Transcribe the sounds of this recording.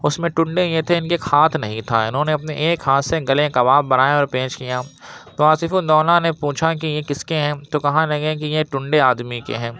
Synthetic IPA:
ʊsmẽʈʊ̃ɳɖejet̪ʰeɪnkexʰaːt̪ʰnɐɦĩt̪ʰaɪ̰nɦõːneɐpneʔeːkɦaːt̪ʰseɡɐlẽkɐʋaːbbɐnaːjeɔːɾpẽːt͡ʃkijaːt̪oaːsɪfʊnd̪ɔːnanepuːt͡ʃʰak̬ijekɪskeɦɛ̃t̪okɐɦãlɐɡẽk̬ijeʈʊ̃ɳɖeaːd̪mikḛɦɛ̃ː

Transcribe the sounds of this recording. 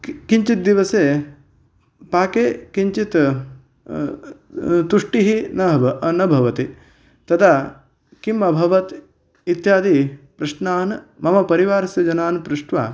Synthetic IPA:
kiɲt͡ʃit̪̚d̪iʋɐseː | paːkeːkiɲt͡ʃit̪ | t̪uʂʈiɦinɐnɐbʱɐʋɐt̪i | t̪ɐt̪ʰa | kimɐbʱɐʋɐt̪ | it̪jaːd̪ipɾɐʂnaːnmɐmɐpɐɾiʋaːɾɐsjɐd͡ʒɐnaːnpɾuʂʈʋa̰

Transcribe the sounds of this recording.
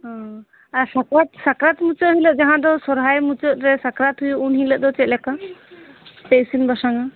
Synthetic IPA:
ɦɔ̃ | aɾsakɾat̪̚sakɾat̪mut͡ʃəɦiləʔ̚d͡ʒaɦãd̪ɔsɔɾɦajmut͡ʃəʔ̪ɾɛsakɾat̪ɦujuunɦiləʔd̪ɔt͡ʃɛʔlɛka | pejsinbɔsaŋa

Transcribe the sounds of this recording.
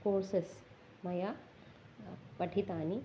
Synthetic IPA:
koːɾses | mɐja | pɐʈʰit̪aːni

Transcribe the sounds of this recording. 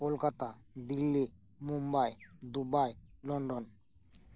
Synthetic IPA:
kolkat̪ad̪ilːi | mumbajd̪ubajlɔɳɖon

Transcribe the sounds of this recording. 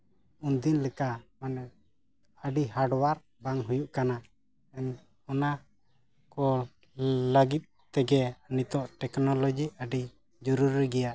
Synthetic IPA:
und̪inləkamanɛ | əɖihaɖwaɾ | baŋɦujuʔkana | ɛn | ɔna | kɔ | ləɡit̪̚ | t̪ːɛɡɛnit̪ɔʔʈɛknɔlɔd͡ʒiəɖi | d͡ʒɔɾuɾiɡɛjaʔ

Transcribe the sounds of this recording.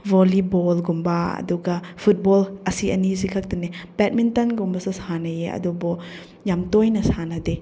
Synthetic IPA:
vɔlibɔlɡumbaɐ̰duɡɐpʰut̚bɔlɐsiʔɐ̰nis̬ikʰɐk̚tɐnebɛt̚mintɐnɡumbɐsɐsanɐjeɐ̰dubɔ | jamtojnɐsanɐde

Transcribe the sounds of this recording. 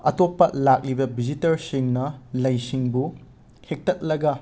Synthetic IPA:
ɐtopːɐlak̚libɐbid͡ʒitɐɾsiŋnɐlɐjsiŋbu | hek̚tɐt̚lɐɡɐ

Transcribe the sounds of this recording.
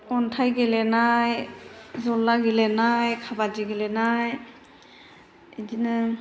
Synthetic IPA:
ɔntʰajɡelenajzɔlːaɡelenajkʰabad͡ʒiɡelenaj | idinɯ

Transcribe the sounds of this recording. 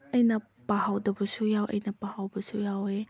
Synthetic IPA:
ʔɐjnɐ | paɦawdɐbəsujawʔɐ̰jnɐpahawbɐsujawe

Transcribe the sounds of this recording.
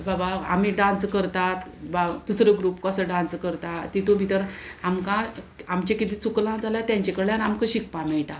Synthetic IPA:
babaamiːɖãnskəɾt̪at̪bad̪usɾəɡɾupkoəsəɖãnskəɾt̪at̪it̪obʱit̪əɾamkã | amt͡ɕekit̪iːt͡suklãd͡zaljat̪jãɲt͡ɕekəɽjanamkəɕik̚pãmɛɭʈ̪a

